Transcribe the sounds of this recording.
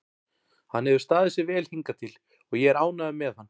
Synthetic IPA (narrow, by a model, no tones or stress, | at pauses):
hanːhɛvʏ̥ɾst̪aːðɪsjɪɾvɛːlhiŋkat̪ʰɪl | ɔɣjɛɛɾaːwnaðʏmɛðhanː